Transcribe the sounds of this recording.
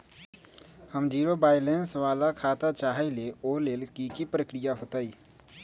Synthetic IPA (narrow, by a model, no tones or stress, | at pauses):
həmd͡ʒiːɾobaːɪlẽnsʋaːlakʰaːt̪at͡ʃaːɦeleoːleːlkikipɾəkɾɪjaɦoːt̪aiː